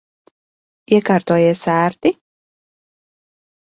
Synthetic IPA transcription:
iɛkaːɾt̪uɔjɛsæːɾt̪i

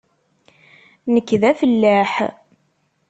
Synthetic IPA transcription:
nəkːðæfəlːæħ

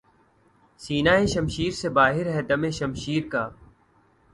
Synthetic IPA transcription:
siːnaːẽʃɐmʃiːɾsebaːɦɪɾɦɛd̪ɐmẽːʃɐmʃiːɾkaː

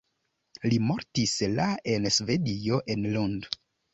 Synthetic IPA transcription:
limo̞ɾtislaensve̞dio̞ʔe̞nlund

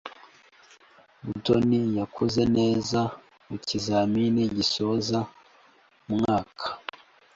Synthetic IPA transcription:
buto̞nijakʰoze̞ne̞ːza | mucizaːminiɟiso̞za | mŋaːkʰḁ

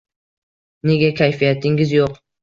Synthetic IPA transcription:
ne̞ɡʲakʲʰajfijat̪ʰɪŋɪzjoq

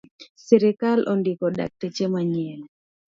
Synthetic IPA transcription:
sɛɾɛkalʔɔndɪkɔda̰k̚tɛt͡ʃɛmaɲɛn

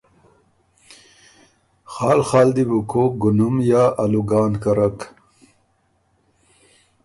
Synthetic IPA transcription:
xɑːlxɑːld̪ibukʰoɡunumjaːʔaluɡaːnkɐɾak

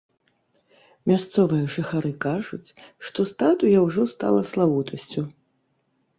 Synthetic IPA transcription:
mʲast̪sɔvɨjɐʐɨxaɾɨkaʐut͡sʲʂt̪ɔst̪at̪ujɐwʐɔst̪a̰lˠɐslˠawut̪ʰɐsʲt͡sʲu

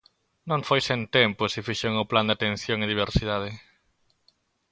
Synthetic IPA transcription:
nõŋfojsent̪empʊsɪfiʃeŋʊpland̪eat̪ẽn̟θjoŋeðiβ̞eɾsiðað̞ɪ

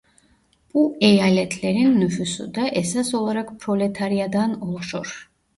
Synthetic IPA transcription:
pʼuɛjalɛt̪ʰlɛɾinːufysṵd̪aʔɛsasɔlˠaɾakʰpʰɾɔlɛt̪ʰaɾiad̪anɔlˠʃɔɾ

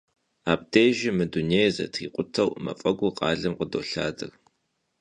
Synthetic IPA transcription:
aːb̚deːʒɪmɨduneːjzɐ̰tʰiːqʷʼʊtʰɐwmɐ̰fʼɐɡʷʊqʼɑːɮɐmqədo̰ːɬa̰ːdɨr

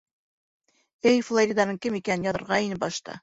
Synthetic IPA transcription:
ɘjflˠoɾʲid̪ɑnɤɴkɘmikænɘnjɑðɤ̆ɾʁɑinɘp̚bɑʃt̪ɤ̰

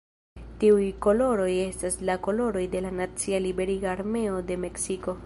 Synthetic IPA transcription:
tiujko̞lo̞ɾo̞je̞staslako̞lo̞ɾo̞jde̞lanat͡sialibe̞ɾiɡaːɾme̞o̞de̞me̞ksiko̞

